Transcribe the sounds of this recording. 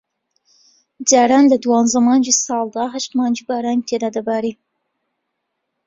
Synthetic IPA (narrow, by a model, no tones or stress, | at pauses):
d͡ʒaːɾaːnlɐd̪uwɑːnzamɑːnd͡ʒisɑːlˠd̪ɑɦaʃt̪maːnd͡ʒibaːɾaːnit̪ʰed̪aːd̪ɐbaːɾi